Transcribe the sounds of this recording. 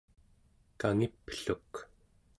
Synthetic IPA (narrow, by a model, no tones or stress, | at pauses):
kaŋipːɬuk